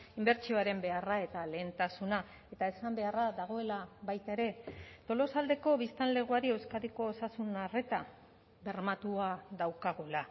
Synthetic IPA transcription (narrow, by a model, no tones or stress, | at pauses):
imbe̞ɾt͡ʃio̞aɾe̞mbe̞arae̞t̪ale̞ːnt̪asuna | e̞t̪ae̞sambe̞araðaɣ̞o̞e̞laβajt̪eɾe̞t̪o̞lo̞sald̪e̞ko̞βist̪anle̞ɣ̞uaɾie̞wskaðiko̞ːsasunare̞t̪a | be̞ɾmat̪uaðawkaɣ̞ola